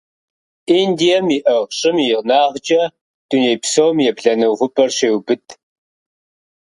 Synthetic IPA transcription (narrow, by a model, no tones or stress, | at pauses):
ʔindijɐmiʔɐʁɕʼɪmjɪʁnaːʁd͡ʒʼɐ | d̥uneːpsowmjɛbɮɐnɐwʁʷʊpʼɐrɕeːwbɨtʰ